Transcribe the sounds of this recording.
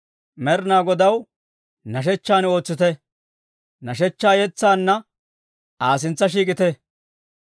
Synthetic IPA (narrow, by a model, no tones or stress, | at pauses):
mɛɾɪnaːɡɔd̪ɐw | nɐʃ̬ɛt͡ʃːaːno̞ːt͡sːɪt̪ɛ | nɐʃɛt͡ʃːaːjɛt͡sːaːnːɐ | ʔaːs̬ɪnt͡sːɐʃiːkʼɪt̪ɛ